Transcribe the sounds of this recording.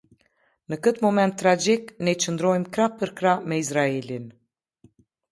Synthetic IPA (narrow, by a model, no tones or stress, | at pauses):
nəkət̪mɔmɛnt̪ːɾad͡ʒiknɛt͡ʃənd̪ɾɔjmkɾapəɾkɾamɛizɾaɛlin